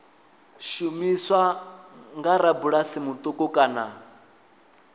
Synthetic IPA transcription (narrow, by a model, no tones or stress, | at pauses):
ʃumiswaŋɡaɾabuɺasimut̪ʼɔkʼɔkʼaːna